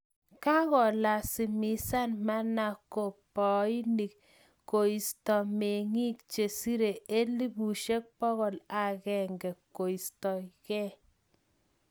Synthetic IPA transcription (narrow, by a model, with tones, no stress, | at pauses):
ka˦ɣɔ˨la˨si˨mi˨˦sa˦nma˦na˨ko˨pɔ˨i˦ni˨k | ko˨i˨stɔ˨me˨ŋi˦k̚t͡ʃe˨si˦ɾe˨e˦li˦bu˨ʃe˦k̚pɔ˦ɣɔ˨la˨ɣɛ˨ŋɡɛ˨kːo˨i˨stɔ˨kɛ˦